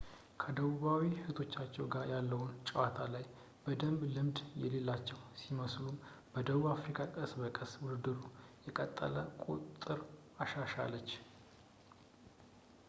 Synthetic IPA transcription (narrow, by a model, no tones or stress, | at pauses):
kʰəd̪əβuβawihɨt̪ʰo̞t͡ʃːat͡ʃːɛwɡaɾjalːəwunt͡ʃʼəwat̪ʰalaj | bəd̪əmblɨmd̪jɛle̞lːat͡ʃːɛwsiməslumb̥əd̪əβuβafɾikʰʼakʼəsbəkʼəswʊd̪ɨd̪ɨɾujɛkʼət̪ʼːə̰ləkʼo̰t̪ʼːɨɾ | aʃaʃa̰lːət͡ʃː